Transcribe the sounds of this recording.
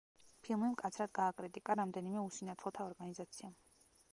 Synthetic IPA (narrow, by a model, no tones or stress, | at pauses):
pʰilˠmimkʼat̪sʰɾad̪ɡaːkʼɾit̪ʼikʼaɾamd̪ɛnimɛusinat̪ʰlɔt̪ʰaɔɾɡanizat̪sʰiam